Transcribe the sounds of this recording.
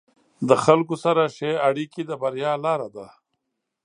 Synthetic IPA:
d̪əxalkusaɾaʃeaɽikid̪əbaɾjɑːlɑːɾad̪a

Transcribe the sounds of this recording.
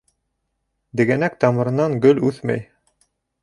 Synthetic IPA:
d̪ɘ̆ɡænæk̚t̪ɑmɤ̆ɾɤ̆nɑŋɡɵlʉθmæ̰j

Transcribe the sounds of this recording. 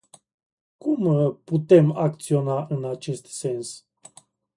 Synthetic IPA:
kumput̪e̞mak̚t̪sio̞naʔɨnat͡ʃe̞st̪se̞ns

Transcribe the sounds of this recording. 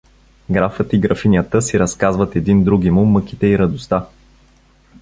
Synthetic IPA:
ɡɾafət̪iɡɾɐfinʲjət̪əsiɾɐskazvət̪ɛd̪ind̪ɾuɡimumɤk̟it̪ɛiɾɐd̪ʊst̪a

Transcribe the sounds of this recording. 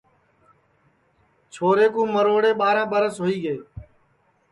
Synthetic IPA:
t͡ʃʰoːɾeːkũːməɾoːɽeːɓaːɾãːɓəɾəsɦoːiːɠeː

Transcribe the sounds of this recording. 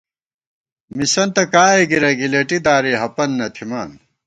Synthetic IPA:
misɐnt̪ɐkaːeɡiɾɐɡilɐʈid̪aːɾiɦɐpɐnːɐt̪ʰimaːn

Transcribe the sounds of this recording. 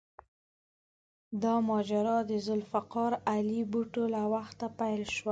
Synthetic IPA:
d̪ɑmɑd͡ʒaɾɑd̪əzʊlfaqɑɾalibuʈolawaxt̪apajlʃwa

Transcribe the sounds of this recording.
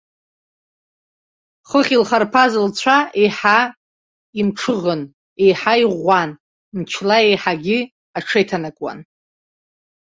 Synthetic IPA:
χəχʲilχarpʰazɨlt͡ɕʷʰaʔejħa | imʈ͡ʂʰɨʁən | e̞jħaiʁʷan | mt͡ʃʰlae̞jħaɡʲɪ | aʈ͡ʂʰejtʰanakʼwa̰n

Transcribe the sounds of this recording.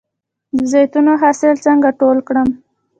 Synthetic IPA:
d̪əzajt̪unoɦɑsɪlt͡səŋɡaʈolkɽəm

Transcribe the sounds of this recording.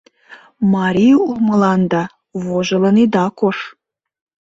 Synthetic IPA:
mɑɾʲijuməlˠɑnd̪ɑ | voʒɤ̆lɤ̆nid̪ɑkor

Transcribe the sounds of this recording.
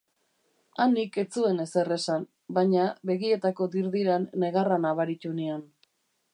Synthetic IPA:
anike̞t͡sue̞ne̞se̞re̞san | baɲaβe̞ɣie̞t̪ako̞d̪iɾðiɾanːe̞ɣaranaβaɾit̪unean

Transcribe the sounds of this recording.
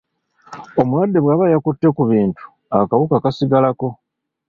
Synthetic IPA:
o̞mulwadːe̞βwaːβajakutːe̞kuβiːntu̥ | akawukakasiɡalako̞

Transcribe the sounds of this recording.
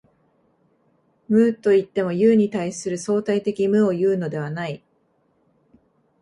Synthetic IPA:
mɯ̟ːt̪ːo̞it̪ːe̞mo̞jɯːɲ̟it̪aisɨɾɯ̟so̞ːt̪ait̪e̞kʲimɯ̟o̞jɯ̟ːno̞d̪e̞β̞anai

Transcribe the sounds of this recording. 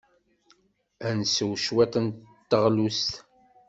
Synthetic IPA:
ænsəwʃwet̪ənt̪ːəʁlust̪

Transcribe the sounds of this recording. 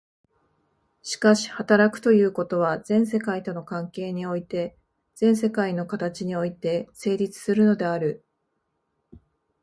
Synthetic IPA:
ɕi̥kaɕi̥hat̪aɾakɯ̟̥t̪o̞jɯ̟ːko̞t̪o̞β̞azẽ̞ɰ̃s̬e̞kait̪o̞no̞kãŋke̞ːɲ̟io̞it̪e̞ | z̥ẽ̞ɰ̃se̞kaino̞kat̪at͡ɕiɲ̟io̞it̪e̞se̞ːɾʲit͡sɨ̥sɨɾɯ̟no̞d̪e̞aɾɯ̟

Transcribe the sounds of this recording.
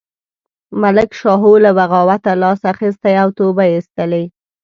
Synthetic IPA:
malɪkʃɑɦolabaɣɑwat̪alɑsaxis̬t̪ajawt̪obajɪst̪əlej

